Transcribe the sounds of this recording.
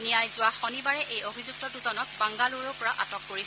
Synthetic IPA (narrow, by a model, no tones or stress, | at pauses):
nijajzʊwaxɔnibaɹɛʔejobʱizuk̚tɔduzɔnɔk̚baŋɡaluɹɔɔɹaʔa̰tɔkːoɹis